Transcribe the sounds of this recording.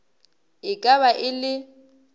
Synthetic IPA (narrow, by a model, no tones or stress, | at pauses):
ɪkʼaβaʔɪlɪ